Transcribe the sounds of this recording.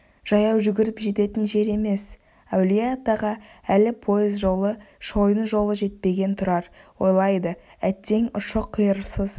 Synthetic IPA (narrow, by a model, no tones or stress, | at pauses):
ʒ̥ɑjɑwʒʏɡʲɪɾɪpʒe̞t̪e̞t̪ɪnʒe̞ɾe̞me̞s | ɑwlijat̪ːɑʁɑælɪpʰo̞jəzʒo̞lˠəʃo̞jənʒo̞lˠəʒe̞t̪̚pe̞ɡʲe̞nt̪ʰʊɾɑɾwo̞̰jlˠɑjd̪ə | æt̪ːe̞ŋʊʃəqʰːijəɾsəz